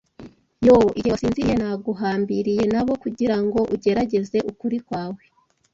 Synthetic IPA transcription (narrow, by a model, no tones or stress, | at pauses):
joʔijeasiːnzijenaɡuɦaːmbiɾije̞naβo̞kuɟiɾaŋɡo̞ʔuɟe̞ɾaɟe̞ze̞ʔukuɾikwaːwe